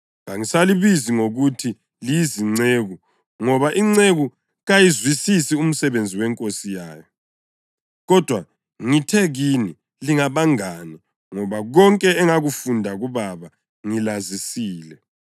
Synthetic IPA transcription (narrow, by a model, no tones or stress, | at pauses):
ŋaŋisaliβiziŋoɣutʰi | liiziŋ͡ǀeɣu | ŋɔβaʔiŋ͡ǀeɣu | ɣajizwisisium̩sɛβend͡zʱiwɛŋkʼosijaːjɔ | ɣɔd̥ʱwa | ŋitʰɛɣini | liŋaβaŋani | ŋɔβaɣɔŋkʼɛɛŋaɣufundʱaɣuβaβa | ŋilazisiːlɛ